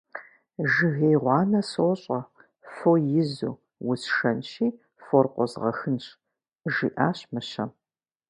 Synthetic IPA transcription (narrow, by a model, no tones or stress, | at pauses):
ʒɨɣeːjʁʷɑːnɐsoɕʼɐ | fojɪzṵː | wʊsʃɐnʃiː | forqʷɔzʁɐ̰xɨnɕ | ʒḭːʔaːɕmɨɕɐ